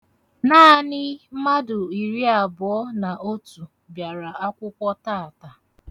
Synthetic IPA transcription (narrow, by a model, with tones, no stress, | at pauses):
naː˦nɪ˦ma˦dʊ˨i˨ɾi˦a˨bʊ˨ɔ˦na˨ʔo˦tu˨ | bja˨ɾa˨a˦kʷʊ˦kʷɔ˦ta˦˨a˨ta˨